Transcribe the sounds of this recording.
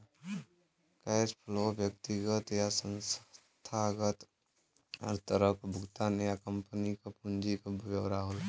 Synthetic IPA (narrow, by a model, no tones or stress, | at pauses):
kaespʰlobjək̚t̪iɡət̪jasə̃ns | t̪ʰaɡət̪ | ɔ̰ɾt̪əɾəpʰbʱʊɡt̪anjakəmpənikapund͡ʒikaʋjəwɾaɦola